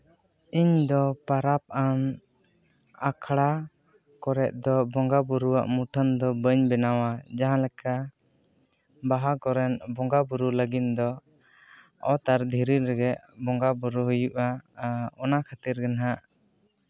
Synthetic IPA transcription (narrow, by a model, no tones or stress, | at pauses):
iɲd̪ɔpaɾap̚an | akʰɽa | kɔɾɛʔ̪̚d̪ɔbɔŋɡabuɾuwa̰ʔmuʈʰənd̪ɔbəɲbɛnawad͡ʒaɦãlɛka | baɦakɔɾɛnbɔŋɡabuɾuləɡit̪̚d̪ɔ | ɔ̰t̪aɾd̪ʱiɾiɾɛɡɛʔbɔŋɡabuɾuɦujuʔaɔnakʰat̪iɾɡɛnɦaʔ